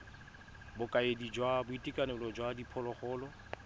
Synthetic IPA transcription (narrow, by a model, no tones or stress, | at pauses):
bʊkʼaedid͡ʒwabʊitʼikʼanɛlɔd͡ʒwadipʰɔlɔχɔːlɔ